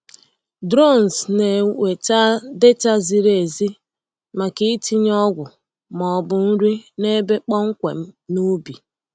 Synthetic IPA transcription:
dɾo˦˨n˨sne˨we˨ta˦de˦ta˦zi˨ɾe˨zi˦ | ma˨ki˦ti˦ɲ˦ɔ˦ɡʷʊ˨ | mɔ˨bʊ˨n̩˦ɾi˦ne˦be˦k͡pɔ˦ŋ̩˦kʷḛ˨m̩˦nu˦bi˨

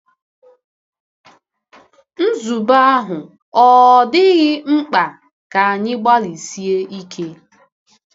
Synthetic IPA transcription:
n̩˦zu˨ba˦a˦ɦʊ˨ | ɔ˨dɪ˦ɣɪ˦ŋ͡m̩˦k͡pa˨ | ka˨a˨ɲɪ˦ɡ͡ba˦li˨si˦e˦i˦kʰe˦

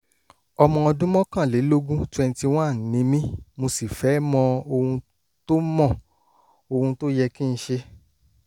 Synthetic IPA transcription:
ɔ˧mɔ̃˧ɔ˧dũ˦mɔ̃˦kã˦˨le˨˦lo˦ɡũ˦twɛ̃˧n˧ti˧w̃ã˦˨n˨nĩ˨˦mĩ˦mo˧si˨fɛ˨˦mɔ̃˧o˧hũ˧ | to˦mɔ̃˦˨ | o˧hũ˧to˦jɛ˧kĩ˦˧ʃe˧

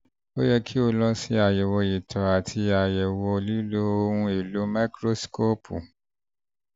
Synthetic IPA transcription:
o˦jɛ˧kʰi˦o˧lɔ̃˧˦si˦a˨jɛ˨wɔ˧ji˨tʰɔ˨a˨tʰi˧a˨jɛ˨wɔ˧li˦lo˦o˧˦ũ˧e˨lo˨˦ma˦kɾo˦sko˦pʰṵ˨

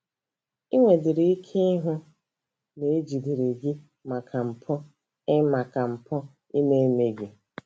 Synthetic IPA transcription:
i˦ŋʷe˨dɪ˨ɾi˨i˦kʰe˦ɦʊ˦ | ne˨˦d͡ʒi˨di˨ɾe˨ɡi˦ | ma˨kʰa˨m̩˨pʰɔ˦ | ɪ˦ma˨ka˨m̩˨pʰɔ˦ | i˦me˦me˨ɡi˨

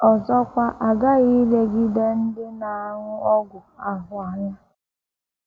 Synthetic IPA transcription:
ɔ˨zɔ˦kʷa˦ʔa˨ɡa˦ɣi˦le˦ɡi˦de˦n̩˦dɪ˦na˨a˨ŋʊ˦ɔ˦ɡʷʊ˨a˨ɦʊ˨a˨ɲa˦

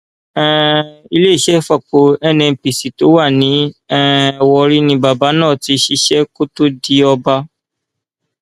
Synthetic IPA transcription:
ɛ̃˦i˧le˦˨ʃɛ˦fa˦˨k͡po˨ɛ˦˨nɛ̃˧˨pi˨si˨to˨˦wa˦˨nĩ˨˦ɛ̃˦˨wɔ˧ɾi˦nĩ˧ba˨ba˨˦nãː˦˨ti˧ʃi˧ʃɛ˦ko˦to˦di˦ɔ˧ba˧˦

